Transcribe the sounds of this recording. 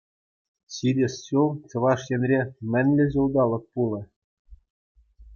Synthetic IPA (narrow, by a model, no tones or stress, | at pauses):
ɕidʲɘ̆sːult͡ɕɤ̆ʋɑʂjɘ̆nʲrʲemʲɘ̆nʲlʲɘ̆ʑulˠd̪ɑlˠɤ̆k̚pulˠɤ̆